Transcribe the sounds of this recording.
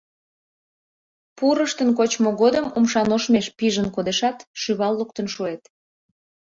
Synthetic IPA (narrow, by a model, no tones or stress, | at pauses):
puɾəʃt̪ənk̬ot͡ɕmoɣod̪əmumʃɑnoʃmeʃpiʒənkod̪eʃɑt̪ʃyβɑlːuk̚t̪ənʃuet̪